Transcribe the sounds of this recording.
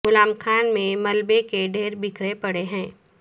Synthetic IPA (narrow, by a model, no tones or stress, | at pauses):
ɡʊlaːmkʰaːnmẽmɐlbekeɖʱeːɾbɪkʰɾepɐɽeɦɛ̃ː